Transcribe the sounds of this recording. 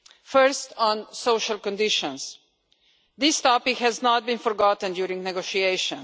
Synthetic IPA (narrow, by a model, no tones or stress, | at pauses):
fɜɹstɔ̃nsoʊʃalkɔ̃ndɪʃɔ̃ns | ðɪst̪ɔpɪkhɛznɔt̪̚bĩnfɔɾɡɔtn̩djuːɾĩŋɡnɛɡoʃieɪʃə̃n